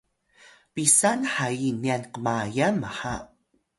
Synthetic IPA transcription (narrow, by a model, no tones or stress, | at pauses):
pisanħainianqəmajamaħa